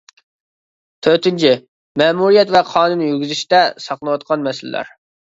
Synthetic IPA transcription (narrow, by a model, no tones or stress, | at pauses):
t̪ʰøɾt̪ɪnt͡ʃʰɪ | mɛːmuɾijɛt̪vɛqʰɑːnunjyɾɡʲizɪʃt̪ɛsɑqlˠwɑt̪̚qʰɑnmɛsɪl̰læ̰ɾ